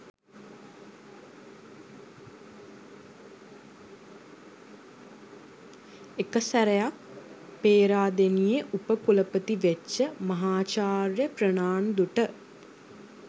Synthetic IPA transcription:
ekəsæɾejakpeːɾaːd̪enijeʔupəkuləpət̪iʋeːəmɐɦaːt͡ʃaːrjəprənaːnd̪uʈə

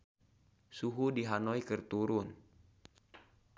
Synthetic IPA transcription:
suɦudiɦanɔikərt̪uɾun

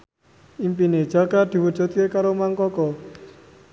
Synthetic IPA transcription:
impined̥ʒ̥a̤ɡad̪̥i̤wud̥ʒ̥ṳt̪̚kekaɾomaŋkɔkɔ

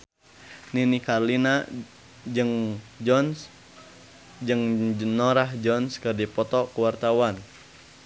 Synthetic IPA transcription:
ninikarlina | d͡ʒɨŋd͡ʒɔns | d͡ʒɨŋnɔɾaɦd͡ʒɔnskərdipɔt̪ɔkuwart̪awan

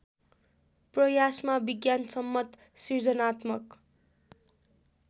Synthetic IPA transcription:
prʌjasmabiɡjansʌmːʌt̪ | sird͡zʌnat̪mʌk

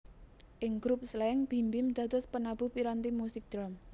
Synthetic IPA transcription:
ʔɪŋɡ̥ɾup̚slɛŋb̥imbɪmd̪̥a̤d̪ʊspənab̥uhpiɾant̪imusɪk̚d̪̥ɾam

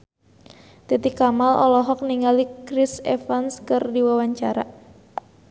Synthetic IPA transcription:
t̪it̪ikamalʔɔ̰lɔɦɔk̚niŋalikɾɪsɛfanskɨrdiwawaɲt͡ʃaɾa

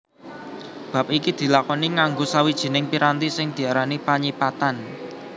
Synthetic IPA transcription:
b̥a̤p̚ikid̪̥i̤lakɔniŋaŋɡosawid̥ʒ̥i̤nɪŋpiɾant̪isɪŋd̪̥i̤aɾanipaɲipat̪an

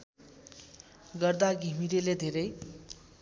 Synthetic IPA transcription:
ɡʌrd̪aɡʱimiɾeled̪ʱeɾʌj

